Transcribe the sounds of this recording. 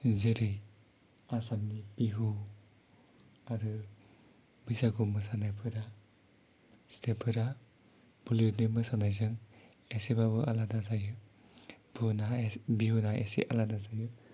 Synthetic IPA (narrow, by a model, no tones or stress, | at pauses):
zeɾɯj | asamnipiɦu | aɾɯ | bɯjsaɡumɯsanajpʰɯɾa | stʰepʰɯɾa | b̥ulunimɯsanajzɯŋ | esebabɯʔaladazajɯ | bunabiɦunaḛsḛʔaladazaju